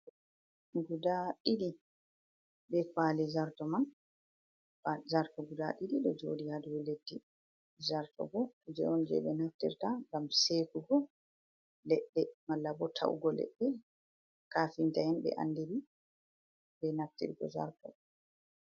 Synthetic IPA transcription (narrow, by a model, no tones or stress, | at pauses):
ɡudaɗiɗi | bɛkwaːlɛzaɾtɔman | fazaɾtɔɡuda̰ɗidiɗɔd͡ʒoːdihaduwɛledːi | zaɾtɔ̰ɡɔd͡ʒɛ̰ɔnd͡ʒɛ̰ɓɛnaftḭɾtaŋɡamseːkuɡɔ | lɛɗːɛmalːabɔtʰa̰ʔṵɡɔlɛ̰ɗːɛ | kafintahɛnbɛ̰ʔa̰nːdiɾi | bɛnaftḭɾɡɔ̰za̰ɾtɔ̰